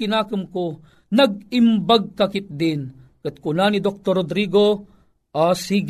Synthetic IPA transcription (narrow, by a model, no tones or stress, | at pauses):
ɪnaːkɨmko | nɐɡ̚ɪmbaɡ̚kɐkɪt̪̚d̪ɪnkɨt̪̚kʊnanid̪ok̚t̪oɾod̪ɾiːɡo | asiɡ